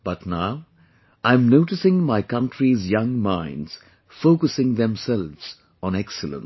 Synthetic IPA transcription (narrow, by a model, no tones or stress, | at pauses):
b̥ʌtnaʊ | ãɪ̃mnoʊʈɨsɪ̃ŋmaɪkʌ̃ntɾizjʌ̃ŋmãɪ̃nz̥ | foːkəsɪ̃ŋðɛ̃msɛlʋz̥ | ɔ̃nɛksɨlə̰̃n